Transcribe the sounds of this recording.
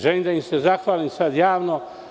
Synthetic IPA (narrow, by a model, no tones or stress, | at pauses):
ʒeliːmd̪aimsezaxʋaːlimsad̪jaːʋno